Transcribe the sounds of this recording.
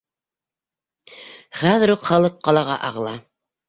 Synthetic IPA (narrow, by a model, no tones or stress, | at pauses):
χæðɘ̆ɾuqχɑlˠɤqːɑlˠɑʁɑ̰ʔɑ̰ʁlˠɑ